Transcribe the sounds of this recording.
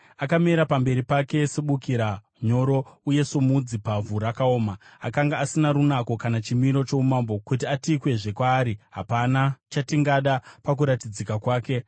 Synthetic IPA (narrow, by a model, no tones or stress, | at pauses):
akameɾapambe̞ɾipake̞seɓukiɾa | ɲo̞ɾo̞uje̞somud͡zipavuɾakao̞ːmaakaŋɡaːsinaɾunako̞kanat͡ʃimiɾo̞t͡ʃo̞umambo̞kut̬iatikwe̞ʐe̞kwaːɾiɦa̰panat͡ʃatiŋɡaɗapak̬uɾatid͡zikakwaːke̞